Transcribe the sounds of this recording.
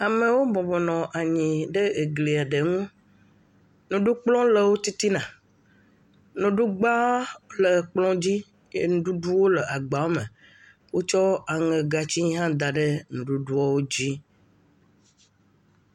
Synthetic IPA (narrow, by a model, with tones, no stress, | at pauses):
a˨me˨wo˦bɔ̃˨bɔ˨nɔ̃˨ʔa˨ɲĩ˨ɖe˦e˨ɡli˨a˨ɖe˨ŋũ˦ | nũ˨ɖu˦k͡plɔ̃˦lə˨wo˦t̪i˦t̪i˦nã˨ | nũ˨ɖu˦ɡ͡ba˦lə˨k͡plɔ̃˦d͡ʑi˦ | jḛ˦nũ˦ɖu˦ɖu˦wo˦lə˨ʔa˨ɡ͡ba˨wo˦me˨ | wo˦t͡ʃɔ˦a˨ŋe˨ɡa˨t͡ɕi˦ɦã˦d̪a˨ɖe˦nũ˨ɖu˦ɖu˦ɔ˦wo˦d͡ʑi˦